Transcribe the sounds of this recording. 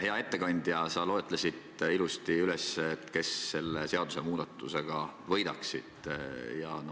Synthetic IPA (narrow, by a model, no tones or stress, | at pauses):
he̞ɑe̞t̪ːe̞kɑnʲd̪̥jɑsɑlo̞et̪ˑlesit̪ilust̪iyle̞sːeːt̪ːˑke̞sːe̞lːese̞ɑd̪use̞muːd̪̥ɑt̪ːˑuse̞ɡ̥ɑvɤ̞jd̪ɑksid̪̥jɑ̰no